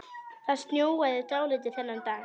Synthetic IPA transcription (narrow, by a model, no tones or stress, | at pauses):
θast̪njoːwaðɪt̪aːwlɪt̪̬ɪθɛnːant̪aː